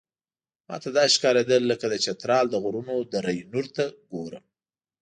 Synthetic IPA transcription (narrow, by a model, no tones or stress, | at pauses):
mɑ̰t̪ad̪ɑʃkɑled̪əlːəkad̪ət͡ʃat̪ɾɑld̪əɣʊɾunod̪əɾajnuɾt̪aɡoɾə̰m